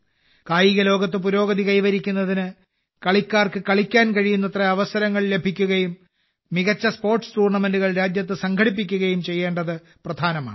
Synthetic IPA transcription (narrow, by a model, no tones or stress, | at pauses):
kaːjiɣɐlo̞ːɡɐt̪ːɨpuɾo̞ːɡɐðikɐjʋɐɾikʲːunːɐðinɨ | kɐɭikʲːaːrkɨkɐɭikʲːaːnkɐɻijunːɐt̪rɐɐʋɐsɐɾɐŋːɐɭle̞bʱikʲːuɣɐjumː | iɣɐt͡ɕːɐspo̞ːrʈst̪uːrɳɐme̞nduɣɐɭɾaːd͡ʑjɐt̪ːɨsɐŋkʰɐɽip̬ːik̬ʲːuɣɐjumt͡ɕe̞jːe̞ːɳɖɐðɨ | prɐd̪ʱaːnɐma̰ːɳɨ